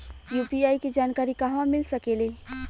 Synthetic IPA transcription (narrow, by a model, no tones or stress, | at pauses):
juːpiaːiked͡ʒaːnkaːɾikaɦʋãmɪlsəkele